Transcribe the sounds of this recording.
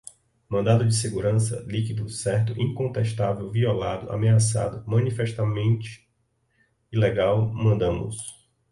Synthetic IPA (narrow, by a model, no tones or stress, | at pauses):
mɐ̃nd̪ad̪ʊd͡ʒɪseɡuɾɐ̃sɐ̰likid̪ʊsɛɾt̪ʊʔĩkõnt̪ɛʃt̪avewviɔlad̪ʊʔa̰measa̰d̪ʊmɐ̃nifɛʃt̪amẽnt͡ʃɪ̥ | ileɡawmɐ̃nd̪ɐ̃mʊ̰s